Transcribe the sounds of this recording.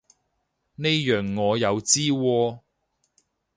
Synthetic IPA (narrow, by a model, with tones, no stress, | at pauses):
ne˥jjœː˨˩ŋːɔː˨˧jɐ˨˧wt͡siː˥wɔː˧